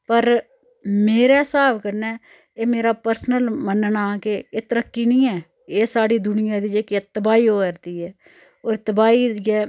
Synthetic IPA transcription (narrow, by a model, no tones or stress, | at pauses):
pəɾ | meːɾɛːsaːbkəɾnɛː | eːmeːɾaːpəɾsnəlmənnaːkeeːt̪əɾəkːiːnĩːɛː | eːsaːɽiːd̪ʊnɪjãːd̪iːd͡ʒeːket̪əbaːiːoːkəɾd̪iːɛː | oːɾt̪əbaːiːɛː